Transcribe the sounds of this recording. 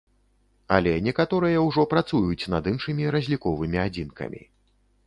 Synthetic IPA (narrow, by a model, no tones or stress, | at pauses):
ɐ̰lʲɛnʲɛkat̪ɔɾɨjɐwʐɔpɾat̪sujut͡sʲn̪ɐd̪ɨnʂɨmʲiɾɐzʲlʲikɔvɨmʲiad͡zʲinkɐ̰mʲḭ